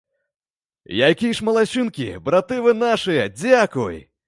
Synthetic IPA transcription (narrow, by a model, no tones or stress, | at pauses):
jakʲijʂmɐlˠaɕʲunkʲḭbɾat̪ɨvɨnaʂɨjɐd͡zʲakuj